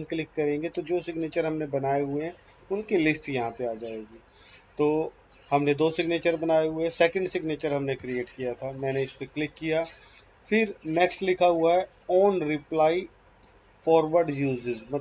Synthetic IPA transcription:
klɪkːɐɾẽːŋɡet̪od͡ʒoːsɪɡneːt͡ʃəɾɦɐmnebɐnaːeɦʊeɦɛ̃ | ʊnkilɪsʈjɐɦãpeaːd͡ʒaːeːɡiː | t̪oː | hɐmned̪oːsɪɡneːt͡ʃəɾbɐnaːeɦʊeɛsɛːkə̃ɳɖsɪɡneːt͡ʃəɾɦɐmnekɾieːʈkijat̪ʰamɛ̃ːneɪspeklɪkːija | fɪɾnɛːksʈlɪkʰaɦʊaɦɛ | ɔːnɾɪplaːi | fɔːɾʋəɾɖjuːzɪzmɐt̪

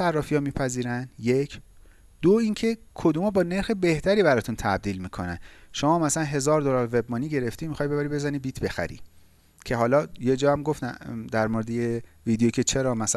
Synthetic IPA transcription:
ærːɒːfiɒːmiːpʰæziːɾænjecʰ | d̪̥oiŋcʰe̞kʰo̞d̪uːmɒːbɒːne̞ɾxebe̞ht̪ʰæɾiːbæɾɒːt̪ʰunt̪ʰæb̚d̪iːlmiːkʰo̞næ̰nʃomɒːmæsælænɦe̞zɒːɾd̪olɒɾve̞bmɒːniɟe̞ɾe̞ft̪iːmixɒːjbebæɾibe̞zænibiːt̪ʰbe̞xæ̰ɾḭ | cʰe̞ɦɒːlɒːjed͡ʒɒːæmɡoft̪æ̰d̪æɾmoɾed̪ejeviːd̪ejoicʰe̞t͡ʃʰe̞ɾɒːmæs

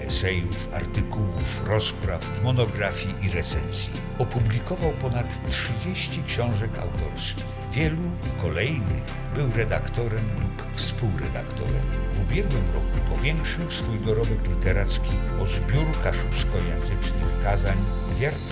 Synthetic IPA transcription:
ɛsɛjufa̰ɾt̪ɘkuwufɾɔspɾafmɔnɔɡɾafʲjiʔiɾɛt̪sɛnzʲji | ɔpublʲikɔvawpɔnat̪ːʂɘd͡ʑeɕt͡ɕikɕɔ̃w̃ʐɛka̰wt̪ɔɾskʲi | vʲjɛluikɔlɛjnɘ | bɘwɾɛd̪akt̪ɔɾɛmlup | fspuwɾɛ̰d̪a̰kt̪ɔ̰ɾɛ̰mvubʲjɛɡwɘmɾɔkupɔvʲjɛŋkʂɘwsfujɡɔɾɔbɛklʲit̪ɛɾat̪skʲiɔzbʲɔɾukaʂupskɔjɛ̃nzɘt͡ʂnɘxkazaɲ | vʲjaɾt̪

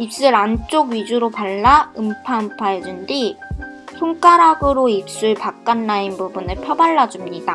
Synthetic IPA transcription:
ip̚s͈ɯɾant͡ɕ͈oɡɥid͡ʑuɾopaɭːaɯmpʰaɯmpʰaɦedundi | sʰuŋk͈aɾɦaɡɯɾoip̚s͈uɭpak̚k͈anːainbubunepʰjʌbaɭːad͡ʑumɲida

